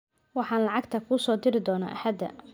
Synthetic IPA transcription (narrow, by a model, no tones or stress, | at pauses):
wɑħɑːnlɑʕɑɡt̪ʰɐkʰʊsɔːd̪ɪɾɪd̪ɔːna̰ːʔɐ̰ħɐd̪ːɐ̰